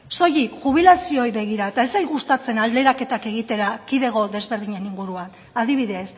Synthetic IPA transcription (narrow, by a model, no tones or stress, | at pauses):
so̞jikʝuβ̞ilasio̞jβe̞ɣiɾaet̪ae̞zejɣust̪at͡se̞nald̪e̞ɾake̞t̪ake̞ɣ̞it̪e̞ɾakiðe̞ɣo̞ðe̞zβe̞ɾðiɲe̞niŋɡuɾuan | aðiβ̞iðe̞s